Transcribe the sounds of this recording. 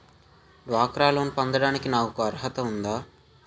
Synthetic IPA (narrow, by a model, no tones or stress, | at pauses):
ɖʋaːkɾaːloːnpɐnd̪ɐɽaːnikinaːkukuɐɾɦɐt̪ɐund̪aː